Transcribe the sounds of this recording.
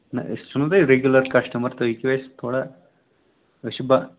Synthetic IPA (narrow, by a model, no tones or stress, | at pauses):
nɐ̰st͡ʃunɐd̪ɐɾeɡjulɐɾkɐʂʈɐmɐɾt̪ɐikʋest̪ʰoːɽɐ | ʃibɐ